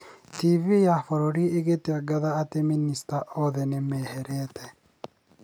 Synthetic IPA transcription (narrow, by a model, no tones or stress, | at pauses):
t̪iːvijafɔɾɔɾiɪɡɛt̪ːɪɐɡɐðɐːt̪ɛmɪnːɪst̪ɐʔoːðɛnɛmeːhɛɾeːt̪ɛ